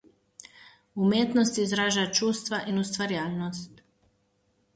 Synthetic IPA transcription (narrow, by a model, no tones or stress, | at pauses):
umjet̪nost̪izɾaːʒat͡ʃuːst̪ʋaʔinust̪ʋaɾjaːʎnost̪